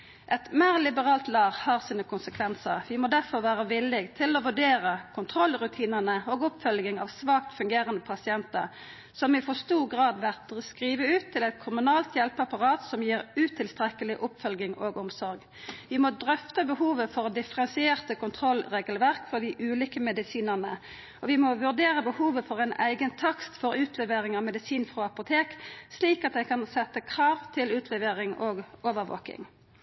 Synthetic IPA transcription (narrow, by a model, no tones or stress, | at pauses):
ʔɛt̪meːʁlɪbəʁɑːlt̪lɑːʁhɑʁsiːnəkʰʊnsəkʰʋɛnsəʁʋɪmoːd̪æʁfɔʁʋæːʁəʋɪlːɪɡt̪ʰɪloːʋʉɖeːʁəkʰʊnt̪ʰʁɔlʁʉt̪ʰiːnənəoːɡʊpfœlɡɪŋɑʋsʋɑːk̚t̪fʉŋɡeːʁənəpʰɑsɪɛnt̪əʁ | sɔmɪfɔst̪uːʁɡʁɑːd̪ʋæʁt̪skʁiːʋəʉːt̪ʰːɪlɛt̪̚kʰʊmʉnɑːlt̪jɛlpəɑpɑʁɑːt̪sɔmjiːʁʉːt̪ʰɪlst̪ʁɛkəlɪʔʊpfœlɡɪŋoːɡɔmsɔɾɡ | ʋɪmod̪ɾœft̪əbəhuːʋəfɔʁod̪ɪfəʁɛnsɪeːʁt̪əkʊnt̪ʰʁɔlʁeːɡəlʋæʁkfɔʁd̪ɪʔʉːliːkəmɛd̪ɪsiːnəʁnə | ɔʋɪmoʋʉʁd̪eːʁəbəhuːʋəfɔʁæɪnæ̰ɪɡənt̪ʰɑkt̪fɔɾʉːt̪ʰlɛʋeːʁɪŋɑmɛd̪ɪsiːnfʁoːɑpʊt̪ʰeːksliːkɑt̪̚d̪ɛɪkʰɑnsɛt̪ːəkʰʁɑːʋt̪ʰɪlʉːt̪ʰlɛʋeːʁɪŋoːɡoːʋəʁʋo̰ːkɪ̰ŋ